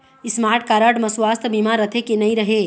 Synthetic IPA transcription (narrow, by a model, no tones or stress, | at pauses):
ɪsmaːɾʈkaɾəʈmɐ̃sʋaːst̪ʰbimaɾət̪ʰekenɐĩɾəɦe